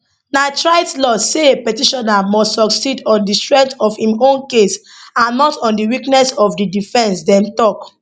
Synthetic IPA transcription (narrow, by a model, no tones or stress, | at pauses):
naɪtɹaɪtlɔseepɛtiʃɔnamɔstsɔksidɔ̃ndistɹɛ̃ntɔfhĩmõnkes | ãnːɔtɔ̃ndiwiknɛsɔfdidifɛ̃nsdɛ̃mtɔk